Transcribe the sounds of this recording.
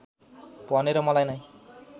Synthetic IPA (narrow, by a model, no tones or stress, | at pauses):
pʌneɾʌmʌlajnʌj